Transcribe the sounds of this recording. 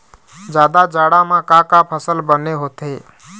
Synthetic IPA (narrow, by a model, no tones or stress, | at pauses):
d͡ʒjaːd̪ad͡ʒaːɽamãkakapʰəsəlbəneɦoːt̪ɦeː